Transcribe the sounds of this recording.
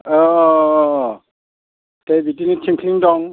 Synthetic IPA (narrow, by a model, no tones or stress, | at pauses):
ɔ | tebitinitʰiŋkʰiŋdɔŋ